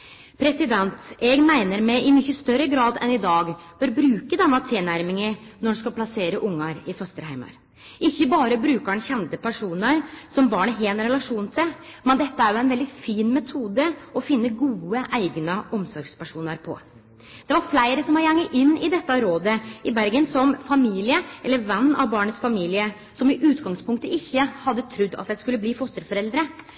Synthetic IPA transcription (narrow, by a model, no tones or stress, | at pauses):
pʰɾɛsɪd̪ɛnt̪ɛɡmæɪnəɾmɛʔɪmʏçəst̪œɾəɡɾɑːd̪ɛnɪd̪ɑːɡb̥œɾbɾʉːkəd̪ɛnːɑt̪ʰɪlnæɾmɪŋənɔɖskɑlpʰlɑseːɾəʔʊŋːɑɾɪfœst̪əɾhæɪmɑ̰ɾ | ʔɪçːəbɑːɾəbɾʉːkəɳçɛnt̪əpæʂuːnəɾsɔmbɑːɳəɦeːnɾɛlɑʂuːnt̪ʰɪlmɛnd̪ɛt̪ːəæɾjʊæɪnʋɛld̪ɪfiːnmɛt̪ʰuːd̪əɔfɪnːəɡuːəʔæɪɡnəɔmsɔɾɡspæʂuːnəɾpʰɔ̰ | d̪̥ɛʋɑɾflæɪɾəsɔmhɑæŋːəʔɪnːɪd̪ɛt̪ːɑɾoːd̪əɪbæɾɡənsɔmfɑmiːlɪəɛlːəɾʋɛnːɑ̰ʋbɑːɳət̪sfɑmiːlɪə | sɔmɪʔʉːt̪ɡɑŋspʊŋkt̪əɪçːəhɑd̪ːət̪ʰɾʉd̪ːɑ̰t̪̚j̪æɪskʉlːəbliːfɔst̪əɾfɔɾɛld̪ɾə